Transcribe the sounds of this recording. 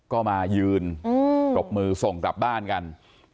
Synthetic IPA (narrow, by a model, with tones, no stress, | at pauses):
kɔː˥˩maː˧jɯː˧n˧t͡ɕo˨˩p̚mɯː˧so˨˩˦ŋkla˨˩p̚baː˥˩nka˧n